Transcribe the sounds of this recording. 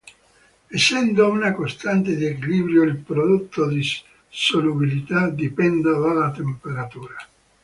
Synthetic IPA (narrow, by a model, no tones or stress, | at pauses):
esːɛnd̪ounakost̪ant̪ed̪iekiliːbɾjoilpɾod̪ot̪ːod̪i | solubilit̪ad̪ipɛnd̪ad̪alat̪empeɾat̪uːɾa